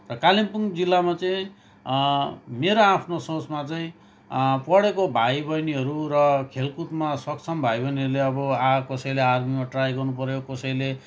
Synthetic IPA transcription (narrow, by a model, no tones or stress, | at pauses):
rʌkalimpuŋd͡zilːamat͡sʌĩ | meɾoapʰnosot͡smat͡sʌĩ | pʌɽekobʱajbʌjniɦʌɾuɾʌkʰelkut̪masʌkt͡sʰʌmbʱajbʌjniʌɾuleʌbʌakʌsʌjlearmimaʈrajɡʌrnupʌɾjokʌsʌjle